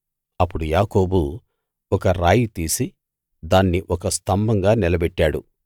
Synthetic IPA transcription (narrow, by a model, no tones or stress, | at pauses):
ɐpːuɽujaːko̞ːbu | ɔkɐɾaːjit̪iːsi | d̪aːnːiʔɔkɐst̪ʰɐmbɐŋɡaːnilɐbɛʈːaːɽṵ